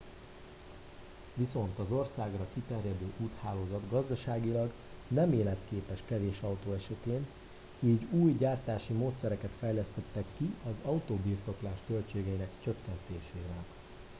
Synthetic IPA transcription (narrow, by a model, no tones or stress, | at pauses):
ʋiso̞nt̪ɒzo̞rsaːɡrɒkit̪ɛrjɛd̪øːʔuːt̪haːloːzɒd̪ɡɒzd̪ɒʃaːɡilɒɡ | nɛmeːlɛt̪keːpɛʃkɛveːʃɒwt̪oːɛʃɛt̪eːn | iːɟuːjɟaːrt̪aːʃimoːt̪sɛɾɛkɛt̪fɛjlɛst̪ɛt̪ːɛkːiɒzɒut̪oːbirt̪o̞klaːʃkølt͡ʃeːɡɛinɛkt͡ʃø̞kːɛnt̪eːʃeːɾɛk